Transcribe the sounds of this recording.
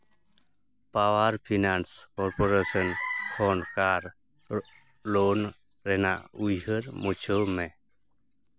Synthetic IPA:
pawaɾpʰinanskɔɾpoɾesənkʰɔnkaɾ | lon | ɾɛna̰ʔujɦəɾmut͡ʃʰəmẽ

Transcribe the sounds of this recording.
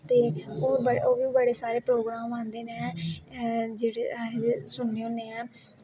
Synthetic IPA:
t̪eːoːbəoːbibəɽeːsaːɾeːpɾoːɡɾaːmãːnd̪eːnː | d͡ʒeːɽeesʊɳːeːõːneːɛ̃ː

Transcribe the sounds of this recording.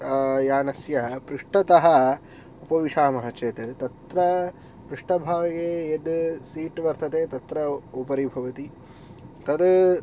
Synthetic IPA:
jaːnɐsjɐɐpɾuʂʈɐt̪ɐɦɐ | upɐʋiʂaːmɐɦɐt͡ʃeːt̪ɐt̪ɐt̪ɾɐ | pɾuʂʈɐbʱaːɡɐɡeed̪siːʈʋɐɾt̪ɐt̪eːt̪ɐt̪ɾɐupɐɾibʱɐʋɐt̪i | t̪ɐd̪

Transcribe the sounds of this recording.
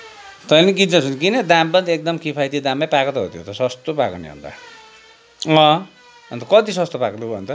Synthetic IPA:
t̪ʌjliɡint͡sʌt͡sʰunkinʌd̪ãmbʌnd̪iek̚d̪ʌmkipʰajt̪id̪ãmːajpakʌt̪ʌɦo̰t̪ʰjo̰t̪ʌsʌst̪opakonḛɦṵnd̪a̰ | ʌ̃ | ʌnt̪ʌkʌt̪isʌst̪opakd̪ubnt̪ʌ

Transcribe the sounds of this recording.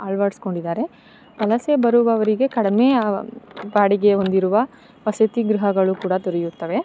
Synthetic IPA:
aːɭʋaːɽsko̞ɳɖid̪aːɾe̞ | pɐlɐsebɐɾuʋɐːʋɐɾiɡe̞kɐɽɐmeː | baːɽiɡe̞ond̪iɾuʋɐ | pɐsɐt̪iɡɾiɦɐɡɐɭukuːɽɐt̪uɾijut̪ːɐʋe̞

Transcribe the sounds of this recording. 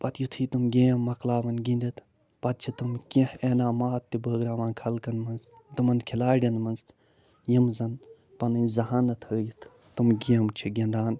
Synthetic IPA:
pɐt̪jut̪ʰiːt̪umɡʲeːmːɐklaːʋɐnɡĩnd̪it̪ʰ | pɐt̪̚t͡ʃʰit̪umkʲĩheːnaːmaːt̪ːibəːɡɾaːʋaːnkʰɐlkɐnmɐnz | t̪umɐnkʰilaːɖʲɐnmɐnzt̪ | jimzɐn | pɐnɐnzɐɦaːnɐt̪ʰhəːjit̪ʰ | t̪umɡeːmt͡ʃʰiɡʲẽnd̪aːn

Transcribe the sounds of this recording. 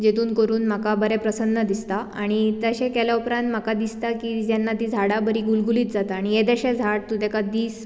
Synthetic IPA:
d͡ʑet̪uːnkəɾuːnm̤akabəɾɛpɾəsənːəd̪ist̪aaɽ̃it̪əɕekɛljaupɾãnt̪m̤akad̪ist̪akiːd͡ʑjanːat̪iːd͡zʱaɽabəɾiːɡulɡuliːt̪d͡zat̪aːɽ̃ied̪eɕɛd͡zʱaɽ̚t̪ut̪ɛkad̪iːs

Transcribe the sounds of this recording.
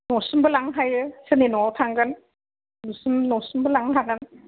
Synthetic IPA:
nɔsumbɯlaŋɦajɯsɯnenɔawtʰaŋɡɯn | nusumnɔsumbɯlaŋɦaɡɯn

